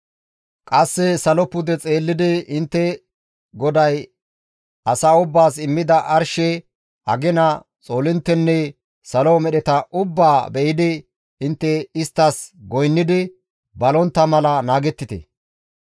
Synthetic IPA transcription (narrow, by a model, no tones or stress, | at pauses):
kʼɐsːɛsɐlɔpʊd̪ɛt͡sʼe̞ːlːɪd̪ɪɪnt̪ːɛ | ɡɔd̪ɐj | ɐsaːʊbːaːsɪmːɪd̪ɐʔɐɾʃɛ | ʔɐ̰ɡɛnɐ | t͡sʼo̞ːlɪnt̪ːɛnːɛ | sɐlɔmɛɗɛt̪ɐʔʊbːaːbɛjɪd̪ɪ | ɪnt̪ːɛɪst̪ːɐsɡɔjnːɪd̪ɪ | bɐlɔnt̪ːɐmɐlɐnaːɡɛt̪ːɪt̪ɛ̰